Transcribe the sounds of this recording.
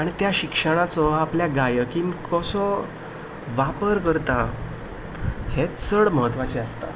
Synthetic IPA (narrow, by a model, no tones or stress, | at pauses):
aɽ̃it̪jaɕikʂəɽat͡sɔapljaɡajəkinkʰɔsɔ | ʋapəɾkəɾt̪a | het͡səɽməɦət̪ʋat͡ɕeəst̪a̰